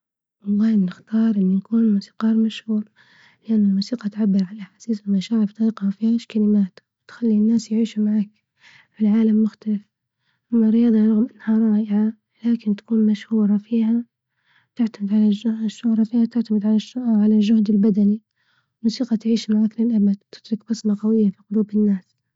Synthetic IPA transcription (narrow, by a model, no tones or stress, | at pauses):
wɑlˤːɑːhnɪxt̪ɑːɾˤʔɪnːʊjakuːnmusi̥ːqɑːɾˤmaʃhuːɾ | lɪʔanːʊlmuːsiːqɑt̪ʕabːɪɾʕalaħasiːsɪlmaʃaːʕɪɾft̪ˤɑiːqhafihaːʃkalɪmaːt̪wɪt̪xalːinːaːsjʕiːʃumaʕaːk | fɪlʕaːlamːʊxt̪alɪf | ʔamːarːɪjɑːd̪ˤɑɾˤɑɣmʔanːhaɾˤɑːʔɪʕa | laːkɪnt̪ḁkuːnmaʃhuːɾˤɑfiːha | t̪ɪʕt̪amɪd̪ʕalaʃːʊʕɾˤɑfiːhat̪ɪʕt̪amɪd̪ʕalaʃʕalalʒʊhd̪ɪlbad̪ani | ɪmuːsiːqɑt̪ʕiːʃmaʕaːklɪlʔabad̪wt̪ɪ̥t̪ɾʊkbɑsmɑqɑwɪjːafiːqʊluːbɪnːaːs